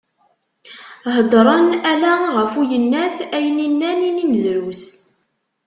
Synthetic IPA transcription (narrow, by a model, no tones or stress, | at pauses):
ɦəd̪ˤɾˤɑnælæʁəfujənːæθæjəninːænininðɾus